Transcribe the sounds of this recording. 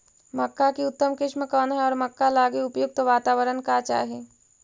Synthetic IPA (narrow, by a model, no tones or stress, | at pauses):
məkːakiʊt̪ːəmkɪʃmẽkɔːnɦɛɔːɾmɐkːalaːɡiʊpjʊɡ̚t̪oʋaːt̪aːʋəɾənkat͡ʃa̰ːɦɛː